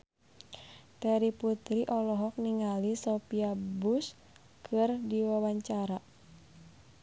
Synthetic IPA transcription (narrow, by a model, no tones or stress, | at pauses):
t̪ɛɾiput̪ɾiʔɔlɔɦɔk̚niŋalisɔpiabus | kʰɨrdiwawaɲt͡ʃaɾa